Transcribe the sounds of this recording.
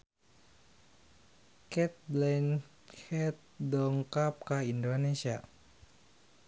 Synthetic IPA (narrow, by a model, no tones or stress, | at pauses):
kɛt̪̚blɛn | hɛt̪̚dɔŋkap̚kaindonesia